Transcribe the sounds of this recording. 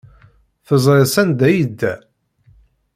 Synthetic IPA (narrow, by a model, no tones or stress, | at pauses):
θəzˤɾesænd̪æjəd̪ːæ